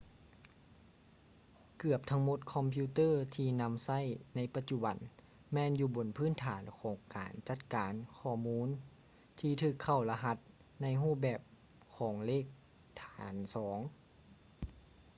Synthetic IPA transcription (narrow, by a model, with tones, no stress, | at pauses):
kɯ˧˩əp̚t̪ʰa˧˥ŋmo˧˦t̪̚kʰɔ˧mpʰiː˧˥t̪ɤː˥˨t̪ʰiː˧na˧˥msa˥˩˨jna˧˥jpa˧t̪̚t͡ɕu˧˩ba˨˩˦n | mɛː˧˥˨njuː˧bo˨˦npʰɯː˥˨nt̪ʰaː˨˩˦nkʰɔː˨˩˦ŋkaː˨˩nt͡ɕa˧t̪̚kaː˨˦nkʰɔː˧˩muː˧˥˨n | t̪ʰiː˧t̪ʰɯː˧˩kʰːa˧˩wla˧ɦa˧˥t̪̚ | na˧˥jɦuː˥˩bɛː˨˧˩p̚ | kʰɔː˩˦ŋleː˥˩k̚ | t̪ʰaː˨˦nsɔː˩˦ŋ